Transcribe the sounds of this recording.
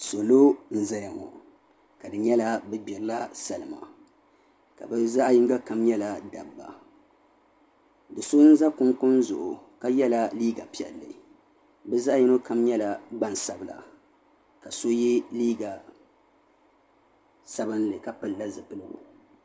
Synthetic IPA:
so˨lo˦n̩˨za˦ja˨ŋɔ̰˨ | ka˨dɨ˨ɲɛ˦la˦bɛ˦ɡ͡bɪ˨ɾla˦sa˨lɨ˨ma̰˨ | ka̰˨bɨ˦za˦ʔjɪ˦ŋ˦ɡa˦ka˦mɲɛ˦la˨da˨bːa̰˨ | dɨ˨so˦n̩˦za˦kʊ˦ŋkʊ˦n˦zʊ̰˨ʔʊ˨ka˦jɛ˦la˦liː˦ɡa˨pi˨ɛ̰˨lːɨ̰˨ | bɛ˦za˦jɛ˦no˦ka˦mɲɛ˦la˨ɡ͡ba˦nsa˨bɨ˨la̰˨ | ka˨so˦ji˦liː˦ɡa˨ | sa˦bɨ˦nlɨ˨ka˨pɨ˨lla˦zɨ˨pɨ˦lɨ˦ɡṵ˨

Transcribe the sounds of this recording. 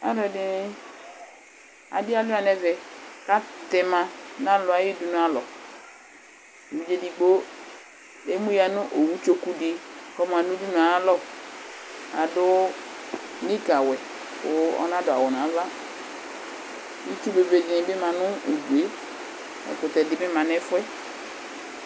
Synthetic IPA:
a̰˦dɔ˨dɪ˨nɪ˦ | a̰˨dɪ˦a˦lʊ˦a˨nɛ˨vɛ˨ka˦t̪ɛ˨mã˨nã˦lʊ˨˦a˨˦ji˦du˨nʊ̃˨˦a˨lɔ˨ | e˨wu˦d͡ʒe˦di˨ɡ͡bo˦ | e˦mũ˦ja˨nʊ̃˦ʔo˨wu˦t͡ʃo˦ku˦di˨kɔ˦m˨a˨nʊ̃˦du˦nũ˨a˨˦lɔ˦ | a˨dʊ˦ | nĩ˦ka˨wɛ˨ | ʊ˨˦ɔ̰˦nã˦dʊ˨a˨wʊ˨nã˨˦va˦ | ji˦t͡ʃu˦be˨ve˨d͡ʒi˨nɪ̃˨bɪ˦mã˨nʊ̃˦u˨du˨e˨˦ | ɛ̰˨kʊ˨t̪ɛ˨dɪ˨mɪ˦mã˨nɛ˦fʊ˦ɛ˦

